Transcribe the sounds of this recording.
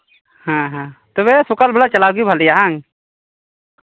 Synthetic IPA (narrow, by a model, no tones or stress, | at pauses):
hãɦãt̪ɔβɛsɔkalbɛɽat͡ʃalaɡujbʱalɛjaɦaŋ